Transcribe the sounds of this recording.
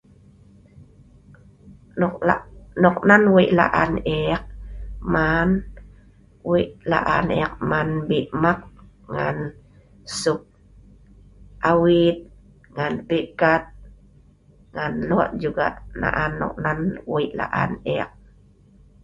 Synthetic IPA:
nanɔk̚nanwiʔla̰ʔaneak̚man | wiʔla̰ʔanɛ̰ak̚manbiʔmak̚ | ŋa̰n | sʊk̚ | ʔawit̪̚ | ŋanpikat̪̚ | ŋanlɔʔd͡ʒuɡa̰ʔna̰ʔanːɔ̰k̚nanwiʔla̰ʔa̰nɛa̰k̚

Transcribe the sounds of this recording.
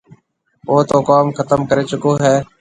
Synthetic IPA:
oːt̪oːkaːmkʰət̪əmkəɾeːt͡ʃʊkõːɦɛː

